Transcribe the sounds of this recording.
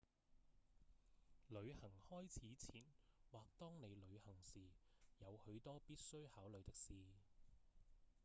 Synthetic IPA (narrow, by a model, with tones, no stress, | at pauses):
lɵ˨˧ɥhɐ˨˩ŋhɔː˥jt͡sʰiː˨˥t͡sʰiː˨˥nwaː˨k̚t̪ɔː˥ŋne˨˧jlɵ˨˧ɥhɐ˨˩ŋsiː˨jɐ˨˧whɵ˨˧ɥt̪ɔː˥piː˥t̚sɵ˥ɥhaː˨˥wlɵ˨˧t̪ɪ˥k̚siː˨